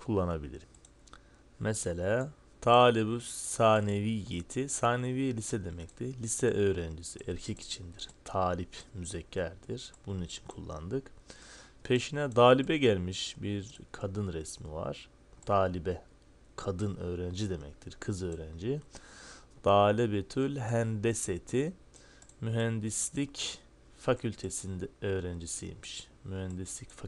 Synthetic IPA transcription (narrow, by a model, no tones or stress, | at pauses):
kʰulˠːanabilʲḭɾm | mʔɛselʲaː | t̪ʰaːlʲebyssaːneviːjet̪ʰisaːne̞vijlʲisɛd̪e̞mɛc̚t̪ʰiɾlʲisɛʔø̞ːɾænd͡ʒisḭʔɛɾcʰɛci̥t͡ʃʰind̪iɾ̥t̪ʰaːlʲipmyzɛcʰːæɾd̪̥iɾ̥b̥ununit͡ʃʰi̥nkʰulˠːa̰nd̪ɯk | pʰe̞ʃinɛd̪aːlʲibɛɟælʲmiʃbiɾkʰad̪ɯnɾɛsmḭva̰ɾ̥ | d̪̥aːlʲibɛ | kʰad̪ɯnøːɾænd͡ʒid̪e̞mɛ̰c̚t̪ʰiɾkʰɯzø̞ːɾænd͡ʒi | d̪̥aːlʲɛbet̪ʰylʲɦænd̪eset̪ʰi | myɦænd̪islʲic | facʰylʲt̪ʰesind̪ɛø̞ːɾænd͡ʒisijḭmi̥ʃ | myhænd̪islʲicfa